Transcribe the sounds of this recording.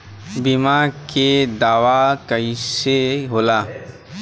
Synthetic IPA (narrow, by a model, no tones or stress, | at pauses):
bimaked̪aːʋakəiseɦoːlaː